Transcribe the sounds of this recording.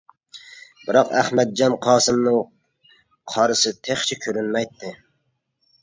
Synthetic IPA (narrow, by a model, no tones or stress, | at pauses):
bɪɾɑqæ̰hmɛd̪̚d͡ʒɑnqʰɑːsɨmnɨŋ | qʰɑɾɨsɪt̪ʰeχt͡ʃʰɪkʲʰøɾynmɛjt̪ʰːɪ